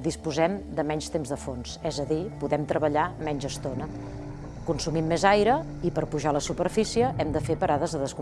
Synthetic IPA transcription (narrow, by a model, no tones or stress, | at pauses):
d̪ispuzɛmd̪əmɛɲst̪emzðəfonsɛzəðipuðɛmt̪ɾəβəʎamɛɲʒəst̪onə | kunsumimːezajɾə | ipəɾpuʒaləsupəɾfisiəʔɛmd̪əfepəɾaðəzðəðəsku